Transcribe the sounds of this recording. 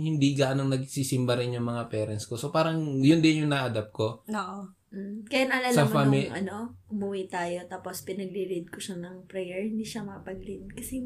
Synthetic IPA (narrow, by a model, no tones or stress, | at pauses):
hɪnd̪iɡaːʔnoŋnɐɡsiːsɪmbaɾɪnjʊŋmɐŋapɛːɾɐnsko̞sopaːɾɐŋjʊnd̪ɪnjʊŋnaʔɐd̪ap̚ko̞oːʔo | kɐjanɐʔlasaɐmammʔɐ̰no̞ʔʊmʊwit̪aːjo̞t̪aːpo̞spɪnɐɡliɾɪd̪̚koʃanɐŋpɾɛjɛɹhɪnd̪iːʃɐmɐɐpɐɡlɪd̪̚kɐsɛ